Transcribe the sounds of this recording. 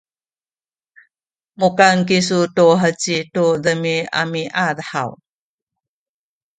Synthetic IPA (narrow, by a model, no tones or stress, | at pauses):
mukankis̬utuɦət͡ɕitudəmia̰miʔaðħa̰w